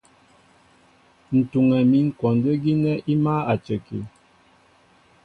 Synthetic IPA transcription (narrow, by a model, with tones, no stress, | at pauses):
n̩˨tu˨ŋɛ˨mi˨˦ŋ̩˦˨kɔ˨ndə˦ɡi˦nɛ˦ʔi˦ma˦a˨t͡ʃə˨kḭ˨